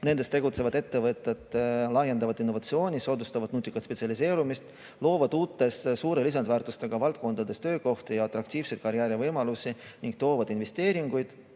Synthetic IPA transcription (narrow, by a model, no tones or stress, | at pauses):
ne̞nd̪̥et̪e̞ɡut̪se̞vɑd̪e̞t̪ːe̞vɤt̪ːˑet̪ˑlɑje̞nd̪ɑvɑd̪inːo̞vɑt̪sio̞ːnʲiso̞ːd̪ust̪ɑvɑd̪nuːt̪ʲːˑikːˑɑt̪spe̞t̪siɑlis̬e̞ːɾumist̪ | lo̞ːvɑd̪uːt̪ːe̞ssuːɾe̞lis̬ɑnd̪væːrt̪ˑust̪e̞ɡ̥ɑvɑlt̪̚ko̞nd̪̥ɑd̪e̞st̪ø̞ːko̞ht̪ijɑɑt̪ːɾɑk̚t̪iːv̥se̞jd̪̚kɑɾjæːɾivɤjmɑlusiniŋɡk̚t̪o̞ːvɑd̪̥inve̞st̪e̞ːɾiŋɡ̥ujd̪̥